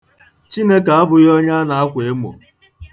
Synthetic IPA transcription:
t͡ʃi˦ne˦ka˨a˦bʊ˨ɣɔ˦ɲa˦na˨a˦kʷe˨e˦mo̰˨

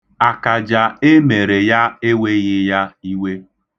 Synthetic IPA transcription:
a˨ka˨d͡ʒa˨e˦me˨ɾe˨ja˦e˦we˦ɣɪ˦ja˦i˦we˦

